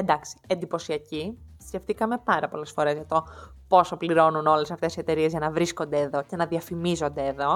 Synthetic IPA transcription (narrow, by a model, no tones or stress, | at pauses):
end̪ɐksi̥e̞nd̪ipo̞siɐcisce̞ft̪ikɐme̞pɐɾɐpo̞le̞sfo̞ɾe̞zʝɐt̪o̞po̞so̞pliɾo̞nuno̞le̞sɐft̪e̞sie̞t̪e̞ɾie̞zʝɐnɐvɾisko̞nd̪e̞ːðo̞ce̞nɐðiɐfimizo̞nd̪e̞ːðo̞